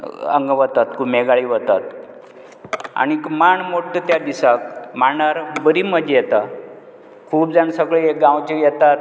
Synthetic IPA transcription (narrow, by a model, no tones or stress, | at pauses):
ə̰ŋɡʋət̪at̪kʰuːmeɡaɭiːʋət̪at̪ | a̰ñikmaɳmoʈːət̪jad̪isakmaɳaɾbəɾiməd͡ʑ̪ʱjɛt̪a | kʰuːp̚d͡zansəɡɭeeɡãwt͡ɕijɛt̪at̪̚